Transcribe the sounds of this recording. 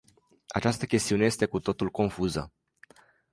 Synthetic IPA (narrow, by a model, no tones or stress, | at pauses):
a̰t͡ʃast̪əkʲe̞st̪iune̞jest̪e̞kut̪o̞t̪ulko̞nfuzə̰